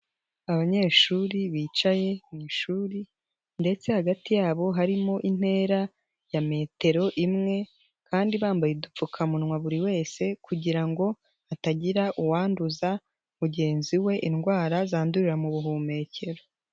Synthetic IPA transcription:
aβaɲe̞ːʃuːɾiβiːt͡ʃaje̞niʃuːɾi | nde̞t͡se̞haɡatijaːβo̞ɦaɾimo̞ʔin̥he̞ːɾa | jame̞ːte̞ɾo̞ʔimŋe̞ | kʰaːndiβaːmbajedup͡fukʰamunŋwaβuɾiwe̞ːse̞kuɟiɾaŋɡo̞ | ataɟiɾaʔuwaːnduza | muɟe̞ːnziwe̞ʔinɡwaːɾazaːnduɾiɾamuβuɦuːme̞ːcʰe̞ɾo

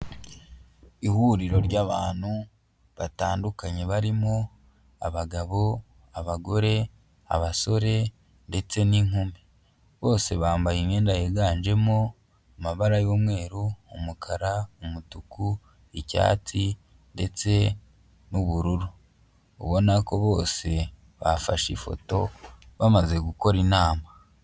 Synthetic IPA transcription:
ihuːɾiɾo̞ɾɟaβaːnhu | βataːndukaɲe̞βaɾimo | aβaɡaβo̞ | aβaɡo̞ɾe̞ | a̰βaso̞ɾe̞ | nde̞t͡se̞niŋuːmbi | βo̞ːse̞βaːmbajimɲe̞ːndajeɡaːnd͡ʒe̞mo | amaβaɾajo̞ːmwe̞ːɾuːmukʰaɾaumutuku | ica̰ːti | nde̞t͡se̞ | nuβuɾuɾu | ṵβo̞nako̞βo̞ːse̞ | βafaʃḭfo̞̰to̞̰βamaze̞ɡuko̞ɾinaːma

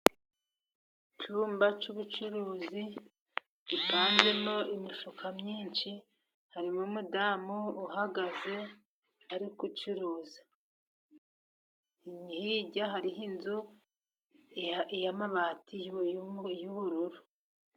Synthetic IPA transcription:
t͡ʃuːmbat͡ʃuβut͡ʃuɾuːzi | ipaːnze̞moimifukʰamɲiːnt͡ʃi | haɾimumudaːmuːhaɡaze̞ | aɾikut͡ʃuɾuːzḁ | imihiɟaɦaɾiɦinzu | ejamaβaːtʰijujuβuɾuɾu

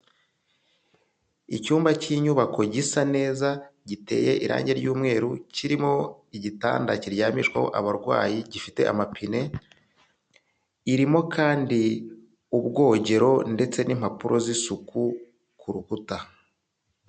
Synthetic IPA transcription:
icuːmbaciːɲuβakʰo̞ɟisane̞ːzaɟite̞̰ːje̞ʔiɾa̰ːɲɟe̞ɾɟuːmŋe̞ːɾuciɾimo̞iɟita̰ːndaciɾjamiʃkwaho̞̰ʔaβaɾɡwa̰ːjiɟifite̞̰ʔa̰mapʰine̞ | iɾimo̞kʰaːndi | ubɡo̞ːɟe̞ɾo̞nde̞t͡se̞nim̥apuɾʔo̞zisuku | kʰuɾukuta

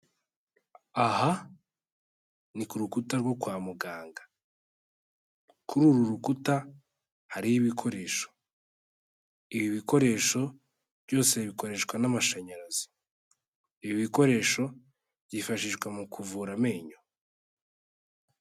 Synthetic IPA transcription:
aha | nikuɾukutaɾɡo̞kwaːmuɡaːŋɡa | kʰuɾuɾuɾukuta | haɾijiβikʰo̞ɾe̞ːʃo̥ | iβiβiko̞ɾe̞ːʃo̞ | βɟo̞ːse̞βiko̞ɾe̞ːʃkwanamaʃaɲaɾazi̥ | iβiβiko̞ɾe̞ːʃo̞ | βɟifaʃiʒɡwamukʰuvuɾame̞ːɲo

